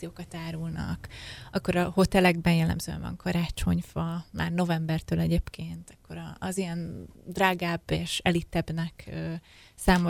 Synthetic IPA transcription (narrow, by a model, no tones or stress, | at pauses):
ijoːkɒt̪aːɾulnɒ̰kɒkːo̞ɾɒho̞t̪ɛlɛɡbɛnjɛlːɛ̰mzøːɛ̰vɒ̰ŋkʰɒɾaːt͡ʃo̞ɲvɒmʔa̰ːrno̞vɛmbɛrt̪øːlɛɟeːpkeːnt̪ɒkʰːo̞ɾɒːzijɛnd̪raːɡaːbeːʃɛlit̪ɛbnɛkøsaːmo